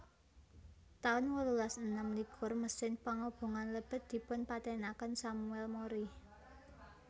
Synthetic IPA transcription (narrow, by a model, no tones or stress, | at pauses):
t̪aʊnwəlulasənəmliɡ̥ʰʊ̤rməsɪŋpaŋob̥o̤ŋanləb̥ə̤t̪̚d̪̥i̤pʊnpat̪ɛnakənsamuɛlmoɾi